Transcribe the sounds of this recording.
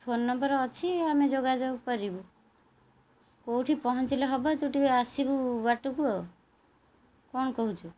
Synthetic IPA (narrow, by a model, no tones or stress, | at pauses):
pʰonːɔmbəɾɔt͡ʃʰiamed͡ʒoɡad͡ʒabukɔɾibu | kowʈʰipɔɦɔ̃nt͡ʃileɦɔbɔt̪uʈikasibubaʈukuɔ | kɔnkɔɦut͡ʃʰu